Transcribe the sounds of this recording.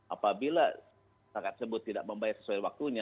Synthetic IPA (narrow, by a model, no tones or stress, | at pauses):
ʔa̰pabila | sakat̪səbʊt̪ːidaʔ̚məmbajasə̥suawak̚t̪uɲa